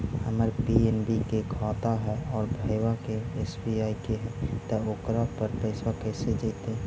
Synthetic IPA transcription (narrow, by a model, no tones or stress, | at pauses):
həməɾpieːnbikekʰɔ̃ːt̪aɦɛɔːɾbʱəɪwakeesbiaːikeɦɛ̃t̪aoːkɾapəɾpəɪsakɛːsed͡ʒəːt̪ẽ